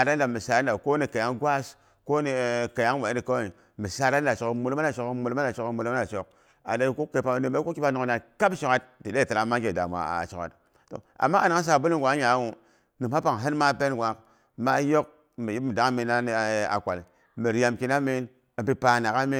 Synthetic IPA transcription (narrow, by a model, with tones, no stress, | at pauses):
a˨da˦n˦da˨mi˨sa˨dn˦da˨ko˦ni˨ka˨ja˦ŋɡwa˦s | ko˦ni˨ka˨ja˦ŋwe˨˦di˨ko˦˨i˨ | mi˨sa˦da˦n˦da˨t͡ʃo˨kmu˨lma˦na˨t͡ʃo˨kmu˨lma˦na˨t͡ʃo˦kmu˨lma˦a˨t͡ʃo˨k̚ | a̰˨de˦ku˦ke˨pa˨˦ni˨me˦ku˦ki˦ba˦no˨ŋ˨na˨ka˦bʃo˨ka˦t̚di˨de˦˨ta˨la˦ma˦ɡe˨da̰˨mʷ˨a̰˨t͡ʃo˨ka̰˨t | to̰˨ | a̰˨mːa˦a˨na˨˦ŋ˦s̬a˨bu˦li˦ŋ˨ɡʷa˨˦ɲa˨˦wu˨ | ni˨ha˦pa˨ŋɦe˦nma˦pe˦nɡʷa˨˦k | ma˦jo˦k̚ | mi˨ji˦pmi˨da˨˦mi˨na˦ni˨a̰˨kʷa˨l | mi˨ɾja˨mki˦na˦mi˦n | a˨pi˦pa˨na˨ka˦mi˦